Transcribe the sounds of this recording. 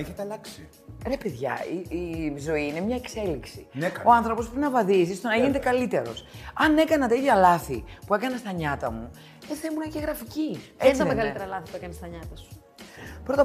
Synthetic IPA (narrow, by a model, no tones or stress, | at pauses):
eçet̪eɐlɐksi | ɾe̞peðʝɐ̰iizo̞iine̞mɲɐekse̞liksineo̞ɐnθɾo̞pospɾepinɐvɐðizist̪o̞nɐʝinet̪ekɐlit̪e̞ɾo̞̰sɐne̞kɐnɐt̪ɐiðʝɐlɐθḭpue̞kɐnɐst̪ɐɲɐt̪ɐmu | eθemunɐceɣɾɐficieɐmeɣɐlit̪ɾɐlɐθipuekɐnest̪ɐɲɐt̪ɐsu̥ | pɾo̞t̪ɐ